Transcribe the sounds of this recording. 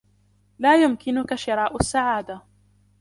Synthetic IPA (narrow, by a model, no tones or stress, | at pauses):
laːjʊmkɪnʊkaʃɪɾˤɑːʔʊsːaʕaːd̪a